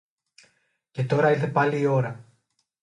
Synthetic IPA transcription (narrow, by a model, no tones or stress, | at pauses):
ce̞t̪o̞ɾɐiɾθe̞pɐliːo̞ɾɐ